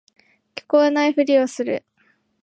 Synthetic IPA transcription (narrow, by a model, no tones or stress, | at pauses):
kʲi̥ko̞enaiɸɯ̟ɾʲiosɨɾɯ̟